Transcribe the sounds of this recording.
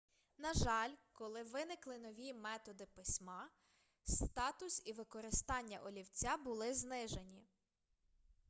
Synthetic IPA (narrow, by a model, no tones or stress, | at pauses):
nɐʒɑlʲkɔlˠɪʋɪnɪklˠɪn̪ɔʋʲimɛt̪ɔd̪ɪpɪsʲmɑ | st̪ɑt̪ʊsiʋɪkɔɾɪst̪ɑnʲːɐʔɔlʲiwt͡sʲabʊlˠɪznɪʒenʲi